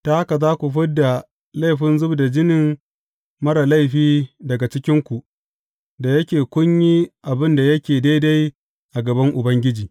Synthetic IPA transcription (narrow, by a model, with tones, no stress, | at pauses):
ta˨˦ha˦ka˨zaː˦kʷu˨ɸʊ˦dːa˨ | la˦jɸɪ˦nzʊ˦bda˨d͡ʒɪ˦nɪ˨ŋ | mɐ˦ɾa˨la˦jɸiː˦dɐ˨ɡa˨t͡ʃɪ˦kʲɪ˦ŋkʷu˨ʔ | da˨jɐ˦kʲeː˨kʷʊ˦ɲjiː˦ʔa˨bɪ˦nda˨jɐ˦kʲeː˨da˦jda˦j | ʔa˨ɡɐ˨bɐ˦ŋʔʊ˨bɐ˦ŋɡʲɪ˦d͡ʒiː˨